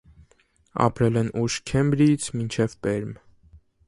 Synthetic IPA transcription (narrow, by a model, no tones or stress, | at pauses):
ɑ̰pɾɛlɛnuʃkʰɛmbɾit͡sʰmint͡ʃʰɛvpɛɾm